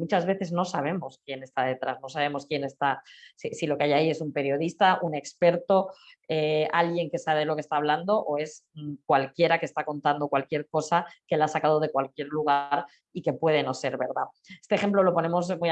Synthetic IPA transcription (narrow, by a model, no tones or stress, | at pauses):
mut͡ʃazβe̞θe̞zno̞saβ̞e̞mo̞skje̞ne̞st̪aðe̞t̪ɾazno̞saβ̞e̞mo̞skjene̞st̪asisilo̞keajaie̞sumpe̞ɾjo̞ðist̪aʔune̞kspe̞ɾt̪o̞ealɣje̞ŋke̞saβeelo̞kest̪aːβland̪o̞ʔoe̞skwalkje̞ɾakest̪akont̪and̪o̞kwalkje̞ɾko̞sake̞laasakað̞o̞ð̞e̞kwalkje̞ɾluɣ̞aɾ | ike̞pwe̞ð̞e̞no̞se̞ɾβe̞ɾða | e̞st̪exe̞mplo̞lo̞po̞nẽ̞mo̞s̬muj